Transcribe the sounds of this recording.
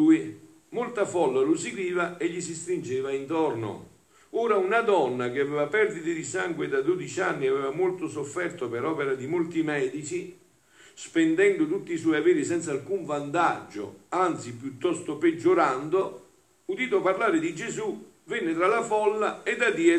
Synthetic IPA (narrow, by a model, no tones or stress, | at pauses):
uːi | molt̪afɔlːalʊsikɾiːvaeʎːis̬ist̪ɾind͡ʒɛːvaint̪ɔrnʊ̰ | uːɾaunad̪ɔnːak̟ɪavɛːvapɛrd̪it̪ɪd̪isaŋɡwɪd̪ad̪od̪it͡ʃanːiavɛːvamolt̪ʊsofːɛrt̪opɪɾɔːpeɾad̪imolt̪imɛːd̪it͡ʃi | spɛnd̪ɛnd̪ʊt̪ut̪ːisɔːjavɛːɾisɛnt̪salkuɱvant̪ad͡ʒːʊ̰ant̪sipjut̪ːɔst̪ʊpɪd͡ʒːoɾand̪o | ud̪iːt̪oparlaːɾɪd̪id͡ʒezu | vɛnːɪt̪ɾalafɔlːaed̪ːad̪iɛ